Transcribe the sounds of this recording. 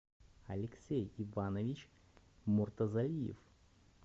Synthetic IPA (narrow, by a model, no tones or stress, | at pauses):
ɐlʲɪksʲejɪvanəvʲit͡ɕ | mʊrt̪əzɐlʲijɪ̰f